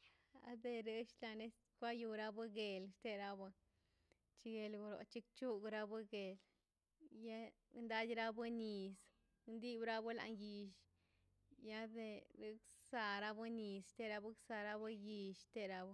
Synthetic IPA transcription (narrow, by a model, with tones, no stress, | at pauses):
a̰˦d̪e˧ɾe˦ʃla˧ne˦s | kʷa˦ju˧ɾa˦bu˦ɡe˨lʃt̪e˦ɾa˧bu˧ | t͡ʃi˧ɡe˧lɡu˧ɾo̰˨t͡ʃi˦kt͡ʃu˦ɡɾa˦bɨ˦ɡe˨l | ja˦ | nd̪a˦d̪ʲɾa˦bɨ˦ni˨s | nd̪i˦bɾa˦bu˦la̰˧nji˧ʃ | ja˦d̪e˧ɾɨ˦k | sa˧ɾa˦bu˦ni˨sʃt̪e˧ɾa˧bu˦ksa˧ɾa˦bu˦ji˧ʃt̪e˦ɾa˧b